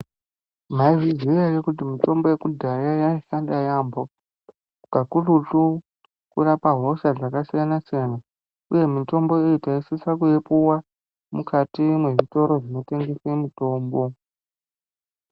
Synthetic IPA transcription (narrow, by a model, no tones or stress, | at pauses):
m̤aiʐizierekut̬imito̞mbo̞je̞kudʱajajaoʃandajambo | kukakuluɬu | kurapaɦo̞ʃad͡zakasijanasijana | uje̞mito̞mbo̞eitaisisakuepuwa | mukatimwe̞ʐito̞ɾo̞ʐino̞te̞ŋɡe̞semuto̞ːmbo̞